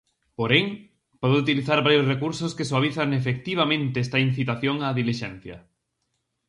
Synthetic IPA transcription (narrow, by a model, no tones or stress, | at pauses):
poɾeŋ | pɔðʊut̪iliθaɾβaɾjosrekuɾsoskesoaβ̞iθɐŋefek̚t̪iβ̞amẽnt̪eɛst̪ɐin̟θit̪aθjoŋaðiliʃɛn̟θjɐ̰